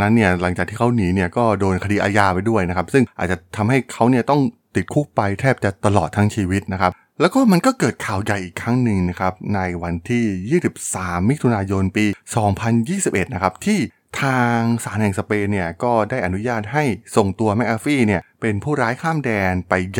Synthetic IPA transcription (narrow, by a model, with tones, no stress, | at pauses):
na˦˥nːi˥˩ɐla˨˩˦ŋt͡ɕaː˨˩k̪̚ʰiː˥˩a˦˥wniː˩˦ni˥˩ɐkɔː˥˩doː˧nkʰa˧diː˧ʔaː˧jaː˧pa˧jdu˥˩əjna˦˥kʰa˦˥p̚sɯ˥˩ŋʔa̰ː˨˩t͡ɕa˨˩t̪ʰa˧mɦa˥˩jkʰa˦˥wni˥˩ɐt̪ɔ˥˩ŋt̪i˨˩t̪̚kʰu˦˥k̚pa˧jt̪ʰɛː˥˩p̚t͡ɕa˨˩t̪a˧lɔː˨˩t̪ʰːa˦˥ŋt͡ɕʰiː˧wi˦˥t̪̚na˦˥kʰa˦˥p̚ | lɛ˦˥wkɔː˥˩ma˧nkɔː˥˩kɤː˨˩t̪̚kʰaː˨˩wja˨˩jʔiː˨˩kʰːɾa˦˥ŋnɯ˧ŋna˦˥kʰa˦˥p̚na˧jwa˧nt̪ʰiː˥˩jiː˥˩si˨˩p̚saː˩˦mːi˦˥t̪ʰu˧naː˧jo˧npiː˧sɔː˩˦ŋpʰa˧njiː˥˩si˨˩p̚ʔe˨˩t̪̚na˦˥kʰa˦˥p̚t̪ʰiː˥˩ | t̪ʰaː˧ŋsaː˩˦nhɛ˨˩ŋsa˧peː˧ni˥˩ɐkɔː˥˩daː˥˩jʔa˧nu˦˥jaː˥˩t̪̚ha˥˩jso˨˩ŋt̪u˧ɐmɛ˦˥ʔ̚aː˧fiː˥˩ni˥˩ɐpe˧npʰuː˥˩ɾaː˦˥jkʰaː˥˩mdɛː˧npa˧j